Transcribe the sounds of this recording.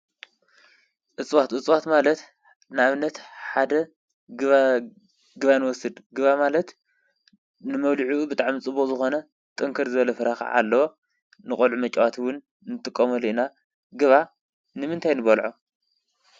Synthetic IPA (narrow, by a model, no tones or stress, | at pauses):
ʔɨt͡sʼwat̪ɨt͡sʼwat̪malɐt̪ | nɨaβɨnːɐt̪ħad̪ɐ | ɡɨβanɨwɔsɨd̪ɡɨβamalɐt̪ | nɨmɐβliʕuubɨt̪ʼaʕmit͡sʼɨbozɨxo̞nɐ | t̪ʼɨŋkʰɐɾzɨβɐlɐfɨɾaxa̰ʕa̰lːɐwo | nɨχʼolʕumɐt͡ʃʼawat̪ʰwʊn | nɨt̪ʼɨkʼːɐmoliʔina | ɡɨβa | nɨmɨnt̪ʰajnɨβɐlʕo